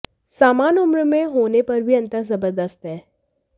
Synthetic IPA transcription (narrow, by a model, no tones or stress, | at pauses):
saːmaːnʊmɾəmẽɦoːnepɐɾbʱiɐ̃nt̪əzɐbəɾd̪əst̪ɦɛː